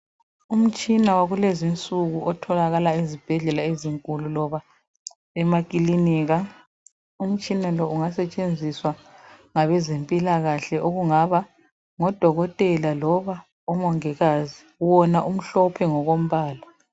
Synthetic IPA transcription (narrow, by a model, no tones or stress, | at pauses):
um̩t͡ʃʼinawaɣulezint͡sʼuɣuɔtʰɔlaɣalaizib̥ʱɛɮɛlaeziŋkʼululɔβa | ɛmakʼiliniːɣa | um̩t͡ʃʼinalɔuŋasɛt͡ʃʼend͡zʱiswaŋaβɛzempʼilaɣaɬɛʔoɣuŋaβa | ŋɔd̥ʱɔɣɔtʼɛlalɔβa | ɔmɔŋɛɣazi | wɔnaʔum̩ɬɔpʰɛŋɔɣom̩βaːla